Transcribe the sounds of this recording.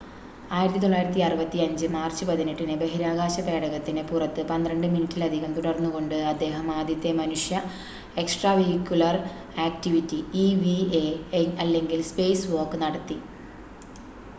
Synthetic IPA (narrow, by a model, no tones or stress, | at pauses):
aːjiɾɐt̪ːit̪o̞ɭːaːjiɾɐt̪ːiɐrɨbɐt̪ːiɐɲd͡ʑɨmaːrt͡ɕːɨpɐðiniʈːinɨbeɦiɾaːɣaːɕɐbe̞ːɽɐɣɐt̪ːinɨpurɐt̪ːɨpɐnd̪rɐɳɖɨminitːilɐd̪ʱiɣɐmt̪uɽɐrnːuɣo̞ɳɖɨɐd̪ːe̞ːɦɐmaːd̪jɐt̪ːe̞mɐnuʂjɐ | e̞ksʈraːʋeikʲːjulɐr | aːktiʋitːiiʋieɐlːe̞ŋɡilspe̞ːsʋo̞ːrkːɨnɐɽɐt̪ːi